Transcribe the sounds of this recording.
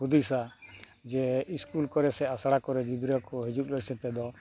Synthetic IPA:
ud̪isa | d͡ʒɛiskulkɔɾɛsɛasaɽakɔɾɛɡid̪ɾɔkɔɦid͡ʒut̪̚ˀlɔɾsɛt̪ɛd̪ɔ

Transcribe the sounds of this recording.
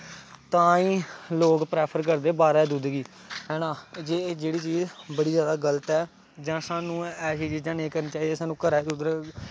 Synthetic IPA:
t̪ãːĩːloːkpɾɛːpʰəɾk̬əɾd̪eːbaːɾɛːd̪uːd̪ɡiː | ɦɛːnãːd͡ʒeːd͡ʒeːɽiːt͡ʃiːzbəɽiːd͡ʒjaːd̪aːɡələt̪ɛː | d͡ʒãːsaːnũːɛːsiːt͡ʃiːd͡ʒãːneːkəɾniːt͡ʃaːiːd̪eːsaːnũːkəɾɛːd̪ud̪ɾ

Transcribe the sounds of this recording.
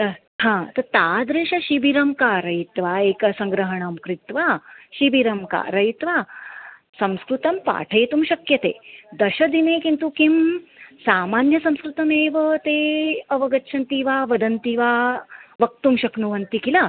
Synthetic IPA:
hãːt̪ɐɾt̪aːd̪ɾeːʃɐʃibiɾɐmkaːɾɐjit̪ʋaːeːkɐsɐŋɡɾɐɦɐɳɐmkɾit̪ʋaʃiʋiɾɐmka̰ɾɐit̪ʋa | sɐ̃mskɾut̪ɐmpa̰ːʈʰeːt̪umɕɐkjɐt̪ḛːd̪ɐɕɐd̪inekint̪ukimsaːmaːnjɐsɐ̃mskɾut̪ɐmeːʋɐt̪eɐʋɐɡɐtːʃʰɐnt̪iʋaːʋɐd̪ɐnt̪iʋaːʋɐk̚t̪umɕɐknuʋɐnt̪ikilaː

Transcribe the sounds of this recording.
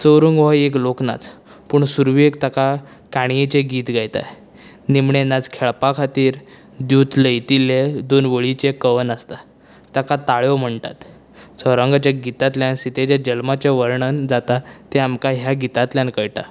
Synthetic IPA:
t͡səwɾəŋɡʋaeklokna̰t͡s | puɳsuɾʋekt̪aka | kaɳ̃jet͡ɕeɡiːt̪ɡajt̪a̰ | nimɳenad͡zkʰeɭpakʰat̪iːɾ | d̪juːt̪ləjt̪iled̪onʋəɭit͡ɕekəʋənəst̪a | t̪akat̪aɭjɔm̤əɳt̪a̰t̪ | t͡səɾə̃ŋɡat͡ɕjaɡit̪at̪ljãnsit̪ʰet͡ɕad͡ʑəlmat͡ɕeʋəɾɳənd͡zat̪at̪eamkaɦjaɡit̪at̪ljãnkəjʈa̰

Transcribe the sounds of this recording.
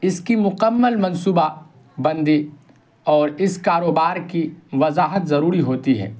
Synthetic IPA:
ɪskimʊkəmːəlmɐ̃nsuːba | bɐ̃nd̪i | ɔːɾɪskaːɾoːbaːɾkiʋɐzaːɦət̪zɐɾuːɾiɦoːt̪iɦɛ̰ː

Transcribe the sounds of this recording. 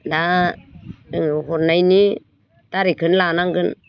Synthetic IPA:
da | ɯŋɦɔɾnajni | taɾikʰɯnlanaŋɡɯn

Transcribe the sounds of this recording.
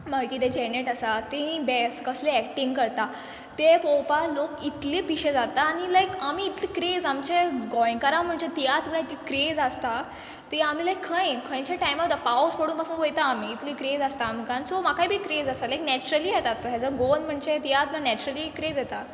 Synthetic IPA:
maɾkiːd̪ed͡ʑɛneʈasat̪ĩbɛskəsleɛk̚ʈiŋɡkəɾt̪a | t̪epowpalokit̪liːpiɕed͡zat̪aːnilajkamiːt̪liːkɾed͡zamt͡ɕeɡɔj̃ŋkaɾãm̤əɳd͡ʑet̪ijat̪mlait̪ikɾed͡zast̪a | t̪eam̤iːlajkʰːə̃jkʰə̃j̃t͡ɕaʈajmad̪əpaospəɽuːnpasuːnʋojt̪aːmiːt̪liːkɾed͡zast̪aːm̤ikãnsomakaibʱiːt̪ɾed͡zasalajknɛt͡ɕuɾəliːjɛt̪at̪ːoɦɛd͡zəɡonm̤əɳd͡ʑet̪ijat̪mlanɛt͡ɕuɾəliːkɾed͡zjɛt̪a

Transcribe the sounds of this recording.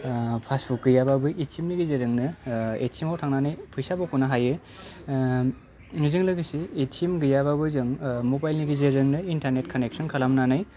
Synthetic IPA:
pʰasbuk̚ɡɯjababɯʔitsimniɡizeɾɯŋnɯḛtsimawtʰaŋnanɯjpʰɯjsabɔkʰɔnaɦajɯ | ŋizɯŋlɯɡisiːtsimɡɯjababɯzɯŋmobajlniɡizeɾɯŋnɯintaɾnet̚kʰanek̚sɔnkʰalamnanɯj

